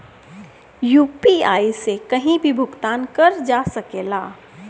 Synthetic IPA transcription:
juːpia̰ːisekɐɦĩbʱibʱʊɡt̪aːnkɐɾd͡ʒaːsɐkeːlaː

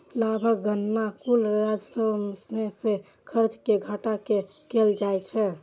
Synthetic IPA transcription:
labʱəkɡənːakulɾad͡ʒsəbmsnese | kʰəɾt͡ʃkeɡʱəʈake | keld͡ʒajt͡ʃʰɛ

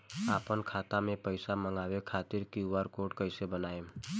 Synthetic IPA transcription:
aːpənkʰaːt̪amẽpəɪsaməŋɡaːwekʰaːt̪ɪɾkiuʋaːɾkoːʈkəɪsebənaːe

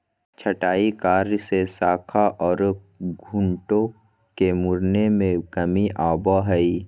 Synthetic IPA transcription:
t͡ʃʰəʈaːikaːɾsesaːkʰaʔɔːɾ | ɡʱʊ̃ɳʈõ | kemʊɾnemẽkəmiʔaːbaɦɛi

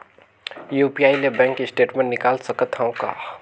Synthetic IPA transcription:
juːpiaːilebɛ̃ːŋkisʈeːʈmẽɳnɪkaːlsəkət̪ʰaõka̰

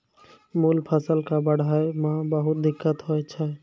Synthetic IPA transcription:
mulpʰəsəlkabəɽ̤ʱajmãbəɦʊt̪̚d̪ɪkːət̪ɦoɛt͡ʃʰɛ

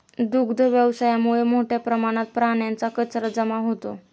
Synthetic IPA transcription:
d̪ukd̪ʱəʋjəʋsajamuɭemoʈʰjapɾəmaɽ̃at̪̚pɾaɳjant͡sakət͡sɾəd͡zəmaɦot̪o̰

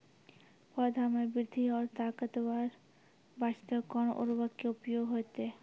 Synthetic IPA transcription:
pɔd̪ʱamebiɾd̪ʱioɾt̪akat̪obaɾ | baʃi̥t̪okɔnʔo̰ɾubakeupijoɡɦoet̪e

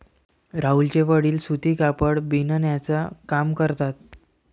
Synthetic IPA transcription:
ɾault͡ɕeʋəɽiːlsut̪iːkapəɽbinənjat͡sakamkəɾt̪at̪̚

